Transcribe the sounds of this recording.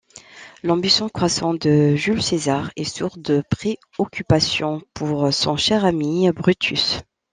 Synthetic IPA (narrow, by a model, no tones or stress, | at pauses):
lɑ̃bisjɔ̃kχwasɑ̃d̪əʒylsezaʁɛsuʁd̪əpχe | ɔkʰʲypasjɔ̃pʰuʁsɔ̃ʃɛʁamibʁyt̪ʰys